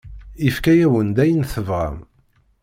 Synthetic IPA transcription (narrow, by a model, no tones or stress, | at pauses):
ifkæjæwənd̪æjənθəvʁa̰m